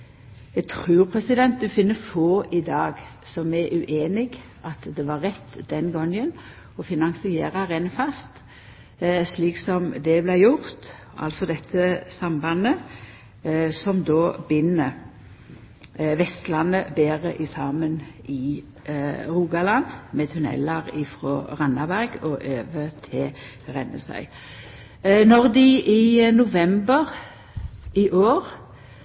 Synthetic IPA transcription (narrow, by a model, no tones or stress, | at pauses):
jæɡt̪ʰɾʉːʁpʰɾɛsɪd̪ɛnt̪̚d̪ʉfɪnːəfoːʔɪd̪ɑːɡsɔmɛʔʉʔeːnɪɡ | ʔɑt̪d̪ɛʋɑːʁɛt̪ːd̪ɛnɡɔŋən | ɔfɪnɑŋsɪḛːɾɑʁɛnfɑst̪ | sliːksɔmd̪ɛblæjʊʁt̪ | ɑ̰lsɔd̪ɛt̪ʰːəsɑmbɑnə | sɔmd̪oːbɪnːə | ʋɛst̪lɑnəbeːʁəʔɪsɑːmənɪ | ʁuːɡɑlɑnmet̪ʰʉnɛ̰lɑʁɪfʁɔːʁɑnːɑbæʁɡɔʔøːʋət̪ʰɪl | ʁɛnːə̰sæ̰ɪ | nɔʁd̪ɪʔɪnʊʋɛmbəʁ | ɪʔoːʁ